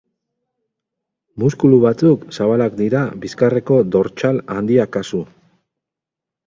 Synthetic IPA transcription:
muskuluβat͡suksaβalakd̪iɾabiskare̞ko̞d̪o̞ɾt͡ʃaland̪iakasu

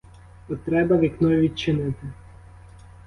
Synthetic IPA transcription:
ɔt̪ɾɛbɐʋʲiknɔjʋʲid̪̚t͡ʃɪnɪt̪ɪ

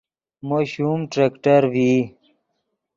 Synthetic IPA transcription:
moɕumʈɾekʈəɾvi

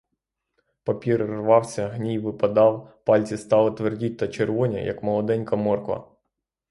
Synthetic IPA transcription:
pɐpʲiɾrʋɑwsʲɐɦnʲijʋɪpɐd̪ɑwpɑlʲt͡sʲist̪ɑlˠɪt̪ʋerdʲit̚ʲt̪ɐt͡ʃerʋɔnʲɐ̰jɐ̰kmɔlˠɔd̪ɛnʲkɐmɔrkʋɐ̰

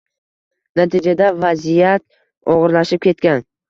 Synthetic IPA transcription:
nat̪ʰɪd͡ʒad̪avazijat̪̚ | ɒʁɨɾlaʃɪp̚kʲe̞t̪kʲan

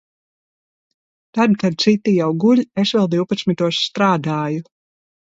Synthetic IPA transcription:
t̪ad̪kad̪̚t̪sit̪ːijawɡuʎʲesvɛlˠd̪iwpat̪smit̪uɔsːt̪ɾaːd̪aːju

